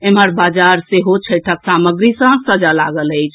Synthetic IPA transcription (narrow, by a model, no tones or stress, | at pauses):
eməɾbad͡ʒaɾseɦot͡ʃʰəjʈʰəksaməɡɾisə̃ɡsəd͡ʒalaɡələjt͡ʃʰ